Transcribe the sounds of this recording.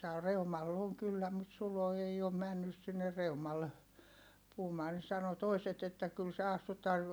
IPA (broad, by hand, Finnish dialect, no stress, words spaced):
sɑː reumɑlː oŋ kylːæ mut sulo ei om mænːys sinːe reumɑlːe puhumɑː ne sɑno toiset etːæ kyl se ɑstutˑɑː